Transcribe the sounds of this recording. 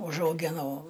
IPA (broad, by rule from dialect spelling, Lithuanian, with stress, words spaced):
ʊʒɐʊˈɡʲɪnɐʊ